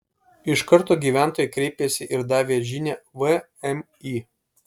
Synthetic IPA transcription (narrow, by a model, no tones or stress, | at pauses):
ɪʃkɐɾt̪oːɡʲiːʋʲæˑnt̪oːjɛkɾʲɛɪpʲesʲɪʔɪɾd̪ɑːʋʲeːʒʲɪnʲɛʋə | ɛm | i